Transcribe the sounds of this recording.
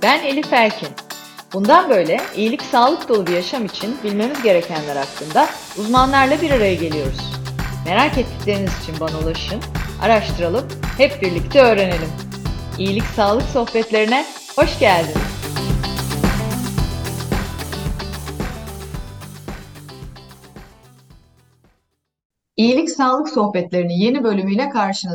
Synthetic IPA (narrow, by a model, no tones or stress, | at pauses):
b̥æne̞lʲifæɾcʰin | b̥und̪anbø̞jlʲɛijilʲicsaːlˠɯk̚d̪olˠubujaʃamit͡ʃʰinbilʲme̞mizɟe̞ɾecʰænlʲæɾaklˠɯnd̪a | uzmanlˠaɾlˠabiɾaɾajɯɟe̞lʲijo̞ɾuz̥me̞ɾaːcɛt̪ʰːi̥clʲe̞ɾinizit͡ʃʰinbanalˠaʃɯna̰ɾaʃt̪ʰɯɾalˠɯphɛp̚biɾlʲict̪ʰɛø̞ːɾe̞ne̞lʲim | ijilʲicsaːlˠɯkso̞xpɛt̪lʲe̞ɾinɛ | ho̞ʃɟælʲd̪in | ijilʲicsaːlˠɯkso̞hbɛt̪lʲe̞ɾinije̞nibø̞lʲymyjlʲɛkʰaɾʃɯnɯ